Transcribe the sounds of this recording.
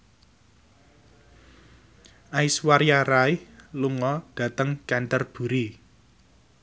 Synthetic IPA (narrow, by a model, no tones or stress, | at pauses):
ʔaiswaɾjaɾajluŋɔɖ̥a̤t̪əŋkɛnt̪ərb̥ṳɾi